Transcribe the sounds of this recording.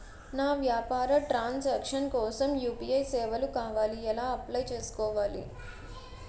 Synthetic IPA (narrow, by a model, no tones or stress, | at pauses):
naːʋjaːpaːɾɐʈɾaːnsɐːkʂɐnkɔːsɐmjuːpiɐjsɛːʋɐlukaːʋaːliɛlaːɐplɐjt͡ʃe̞ːsu̥kɔːʋaːlḭ